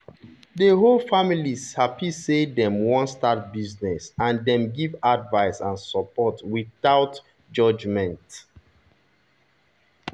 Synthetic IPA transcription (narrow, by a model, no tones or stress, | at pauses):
dəɦolfamilishapisedɛ̃mwɔ̃nstat̚biznɛsãndɛ̃mɡivadvaɪsãnsɔpɔtwiθaʊt | d͡ʒɔd͡ʒmɛ̃nt